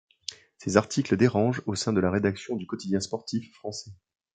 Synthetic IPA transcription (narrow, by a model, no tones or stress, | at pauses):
sezaʁt̪ʰikləd̪eʁɑ̃ʒosɛ̃d̪əlaʁed̪aksjɔ̃d̪ykɔt̪id̪jɛ̃spɔʁt̪ifːχɑ̃sɛ